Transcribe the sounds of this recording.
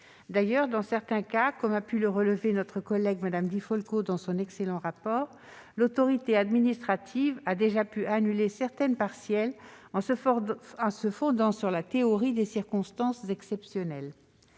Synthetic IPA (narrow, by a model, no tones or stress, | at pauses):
d̪ajœʁd̪ɑ̃sɛʁt̪ɛ̃kakɔmapyləʁələvenɔt̪χəkɔlɛɡmad̪amd̪ifɔlkod̪ɑ̃sɔ̃nɛkselɑ̃ʁapɔːʁ | lot̪ɔʁit̪ead̪minist̪χat̪ʰivad̪eʒapyʔanylesɛʁt̪ɛnpaʁsjɛlɑ̃s | ɑ̃səfɔ̃d̪ɑ̃syʁlat̪eɔʁid̪esiʁkɔ̃st̪ɑ̃szɛksɛpsjɔnɛl